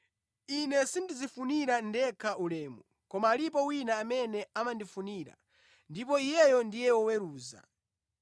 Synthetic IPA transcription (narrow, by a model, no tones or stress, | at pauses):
inɛsindizifuniɾandɛkʰaʔulɛːmu | kɔmaːlipɔwinaːmɛnɛamandifuniɾa̰ | ndip̬ɔijɛjɔndijɛwɔwɛɾuːza̰